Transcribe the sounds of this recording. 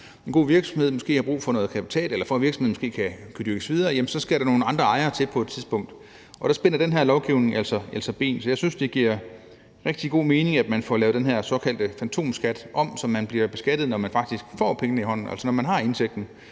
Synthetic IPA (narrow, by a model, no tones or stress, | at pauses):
enɡ̥o̝̰ːʋiɐɡ̥sɒ̽mhe̝ð̰ˠmɒ̽sɡ̥e̝̰ːhɑ̈b̥ʁṵːfɒ̽nɔ̽ːð̩ˠkʰæpi̥t͡sʰɛ̰ːlelɐfɒʋiɐɡsmheð̩ˠmɔsɡ̥e̝̰ːkʰækʰæd̥yɐɡ̥ə̥sʋið̞ˠɐːjemnsɒ̽sɡ̥æɾɑno̝ːn̩ɑ̈nd̥ʁɐɑ̈ɪɐːt͡sʰe̝lpʰɒ̽ed̥t͡sʰiðˠsb̥ɔ̽ŋ̰d̥ | ʔɒ̽d̥ɑ̈sb̥e̝nɐd̥enɦæɐ̰lɒʊɡ̥iʊ̰ne̝ŋæl̰sɒʔæl̰sɒb̥e̝̰ːnsɒjɑ̈ɪsynsd̥e̝ɡ̥iɐ̰ | ʁeɡ̥̚d̥iɡ̥o̝̰ːme̝ːne̝ŋæd̥mænfɒlɛːʊd̥enɦæɐ̰sɒ̽kʰæl̰d̥əfænt͡sʰo̝̰ːmsɡ̥æd̥ʔɒ̽m̰sɒ̽mːænb̥liɐb̥e̝sɡ̥æd̥ð̩ˠnɒmænfɑ̈ɡ̥d̥isɡ̥fɒ̰ːpʰeŋənəiɦɒ̽n̰n̩æ̰l̰sənɒmænɦɑ̈e̝nseɡ̥̚d̥n̩